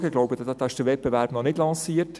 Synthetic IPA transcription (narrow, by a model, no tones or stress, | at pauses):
ɡəɡloʊbəddd̥̪ɑɪʃd̥əvɛt̚b̥evæɾbnɔnɪdlɑ̃ːsiːət